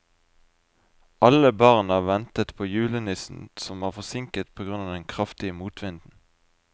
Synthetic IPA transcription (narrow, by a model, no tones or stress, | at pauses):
ʔɑləbɑʁnɑːʋɛnt̪ət̪pʰoːjʉːlənɪsn̩sɔmʋɑːʁfɔsɪŋkət̪̚pʰoːɡʁʉnɑːd̪ɛŋkʰʁɑft̪ɪəmuːt̪ʰʋɪnd̪n̩